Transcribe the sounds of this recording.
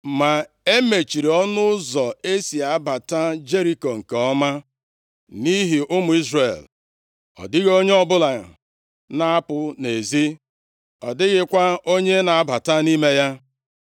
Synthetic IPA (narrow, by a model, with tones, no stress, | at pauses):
ma˨ | e˦me˨t͡ʃi˨ɾi˨ɔ˦nʊ˦zɔ˨e˦si˨a˨a˦ba˨ta˦d͡ʒe˦ɾi˦ko˨ŋ̩˨ke˨ɔ˦ma˦ | ni˦ɦi˨ʔʊ˦mʊ˨i˦zre˨l | ɔ̰˨dɪ˦ɣo˦ɲe˦ɔ˦bʊ˦la˨ | na˦a˦pʊ˨ne˨zi˦ | ɔ˨dɪ˦ɣɪ˦kʷa˦o˦ɲe˦na˨a˦ba˨ta˦ni˦me˦ja˦